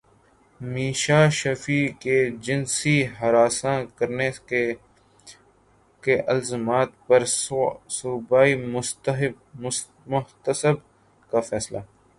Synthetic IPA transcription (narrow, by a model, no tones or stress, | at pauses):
miːʃaːʃɐfiːked͡ʒɪnsiɦɐɾaːsãːkəɾne | keʔəlzəmaːt̪̚pɐɾsubaːimʊtɦ | mʊht̪əsəb | kafɛːslaː